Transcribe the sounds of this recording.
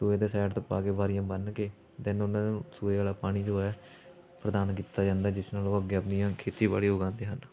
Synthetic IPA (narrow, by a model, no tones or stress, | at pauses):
suːeːd̪eːsɛːʈt̪oːpaːkeːbaːɾɪjãːbənkeː | t̪ɪnʊnãːsuːeːaːlaːpaːɽ̃iːd͡ʒoɛː | pɾəd̪aːnkiːt̪aːd͡ʒãːnd̪aːd͡ʒɪsnaːloːəɡeːəpnijãːkʰeːt̪iːba̰ːɽiːoːɡãːnd̪iːɦən